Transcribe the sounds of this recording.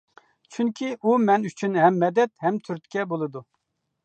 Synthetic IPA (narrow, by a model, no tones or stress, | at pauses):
t͡ʃʰyŋkʲʰiʔumɛnyt͡ʃʰynɦɛmːɛd̪ɛt̪hɛmt̪ʰyɾt̪kʲʰɛbolˠɨd̪u